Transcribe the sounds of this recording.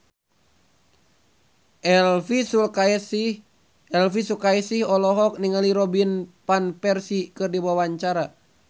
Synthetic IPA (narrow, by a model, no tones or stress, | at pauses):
ʔɛlfisulkaɛs | ɛlfisukaisihɔlɔɦɔk̚niŋaliɾɔbinpanpɛrsikɨrdiwawaɲt͡ʃaɾa